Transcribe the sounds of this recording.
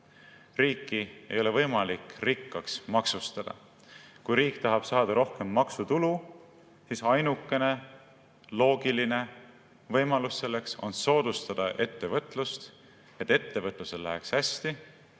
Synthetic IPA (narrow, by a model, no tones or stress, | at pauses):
riːkːie̞̰jo̞le̞vɤ̞jmɑlikrikːɑksmɑksust̪ɑd̪̥ɑ̰ | kujɾiːkt̪ɑɦɑb̥sɑːd̪̥ɑɾo̞hke̞mːɑksut̪ulu | sisɑjnukːˑe̞ne̞ | lo̞ːɡ̥iline̞ | vɤjmɑlusse̞lːe̞kso̞̰nso̞ːd̪̥ust̪ɑd̪̥ɑʔe̞t̪ːe̞vɤt̪ˑlust̪ | e̞t̪ːe̞t̪ːe̞vɤt̪ˑluse̞llæ̰ɦekshæsʲt̪i